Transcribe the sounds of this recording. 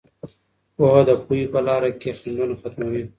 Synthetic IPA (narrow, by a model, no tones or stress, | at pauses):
oɦod̪əpuipəlɑɾakexind̪unxat̪mawi